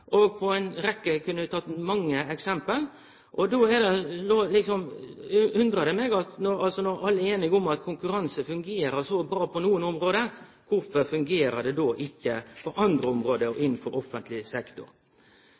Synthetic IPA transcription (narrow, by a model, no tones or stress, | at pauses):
ʔɔɡpʰɔɛɪnɾɛkːəkʰʉnːəʋɪt̪ʰɑt̪ːmɑŋːəɛksɛmpəl | ʔɔd̪oːɛd̪ɛloːlɪksɔm | ʉnd̪ɾəd̪ɛmeːɡɑt̪nɔɾɑlsɔnɔɾɑlːəeːnɪɡɔmɑt̪kʰʊŋkʉɾɑnsəfʉŋɡeːɾəsɔbɾɑːpʰɔnuːənɔmɾoːd̪ə | kʰʊɾfɔfʉŋɡeːɾəd̪ɛd̪oːʔɪçːəpʰɔʔɑnd̪ɾəɔmɾoːd̪əɔɪnːfɔɾɔfːənt̪ʰlɪsɛkt̪ʊ̰ɾ